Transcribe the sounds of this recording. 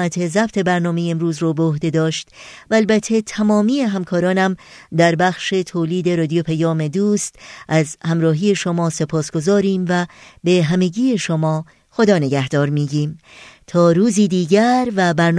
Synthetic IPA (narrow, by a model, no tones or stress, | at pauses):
æt̪ʰe̞zæbt̪ʰe̞bæɾnɒːme̞jeemɾuːzɾoːbeohd̪e̞d̪ɒːʃt̪væːlbæt̪ʰːe̞t̪ʰæmɒːmiːe̞ɦæmkʰɒːɾɒːnæmd̪æɾbæxʃe̞t̪ʰoːliːd̪e̞ɾɒːd̪ijopʰæjɒːme̞d̪uːst̪ʔæzhæmɾɒːɦiːje̞ʃomɒːse̞pʰɒːsɡ̥o̞zɒːɾiːmvæbe̞ɦæme̞ɟiːje̞ʃomɒː | xo̞d̪ɒːne̞ɡæhd̪̥ɒːɾmiːɟiːmt̪ʰɒːɾuːziːd̪iːɟæɾvæbæɾn